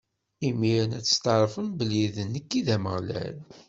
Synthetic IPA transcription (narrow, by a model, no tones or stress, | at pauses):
imiɾənæt͡sːə̥st̪əɾˤfənbəliðənːəkːiðæməʁlæ̰l